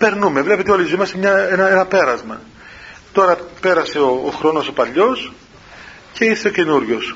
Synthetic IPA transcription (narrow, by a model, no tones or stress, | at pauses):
pe̞ɾnume̞vle̞pe̞t̪eolizimɐsemɲɐenɐenɐpe̞ɾɐzmɐ | t̪o̞ɾɐpe̞ɾɐse̞oːxɾo̞no̞so̞pɐʎo̞s | ce̞iɾse̞oce̞nuɾʝo̞s